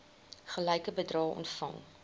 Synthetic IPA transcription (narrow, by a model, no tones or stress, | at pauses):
χəlɛjkəbədrɑːɔ̰ntfɐ̰ŋ